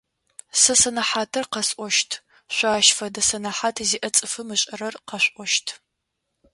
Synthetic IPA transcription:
sɐsɐnɐħaːtʰɐrqɐsʔʼʷɔʃtʰ | ɕʷaːʃfɐdɐsɐnɐħaːtʰziːʔɐt͡sʼɨfɨmɨɕʼɐɾɐrqɐɕʷʼʔʷɔʃtʰ

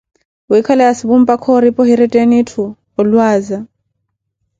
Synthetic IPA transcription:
uikʰalɛasiβum̩pʼakʰɔɾipʼɔɦiɾitʼenitʰuː | lwaːza

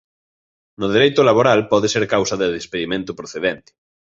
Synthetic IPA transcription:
noðeɾejt̪olaβoɾalpɔðeseɾkawsaðeðespeðimẽnt̪opɾoθeðent̪e̥

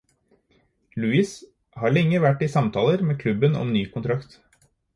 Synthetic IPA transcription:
lʉiːs | hɑːɭɛŋːəʋæʈːɪsɑmt̪ʰɑːləɾmeːkʰlʉbənɔ̰mnyːkʰʊnt̪ʰɾɑkt̪

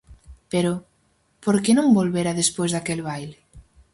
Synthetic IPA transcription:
peɾʊ | poɾkenõŋbolβeɾaðespojzðakelβajle

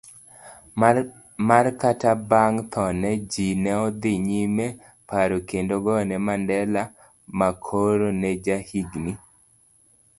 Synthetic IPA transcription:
markatabaŋt̪ʰɔnɛd͡ʒinɛɔd̪ɪɲime | paɾokendoɡɔnɛmandɛla | makʰoɾonɛd͡ʒahiɡni

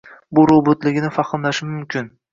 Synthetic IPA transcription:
bʊɾobʊt̪lɪɡʲnɪfɑχɨmlaʃɪmʊmkʲʰɪn

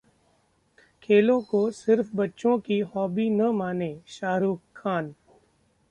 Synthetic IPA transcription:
kʰeːlõkosɪɾfbɐtːʃõkiɦɔːbinɐmaːneʃaːɾuːkʰːaːn

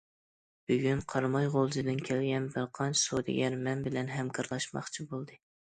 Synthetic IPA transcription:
b̥yɡʲynqʰɑɾmɑjʁolˠzɨd̪ɨnkʲʰælɡʲɛnbɨlqʰɑnsud̪ɪ̰ɡʲɛɾmɛnbɪlɛnɦɛmkʰɨɾlˠɑʃmɑ̰χt͡ʃʰibolˠd̪ɨ

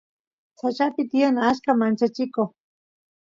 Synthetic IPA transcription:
sat͡ʃapɪt̪ɪjanaʃkamant͡ʃat͡ʃɪkoχ

